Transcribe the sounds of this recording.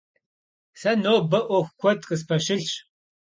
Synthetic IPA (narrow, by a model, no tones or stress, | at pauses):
sɐnoːbɐʔʷɔxʷkʷʰɔtqəspʰɐʃɪɬt͡ʃ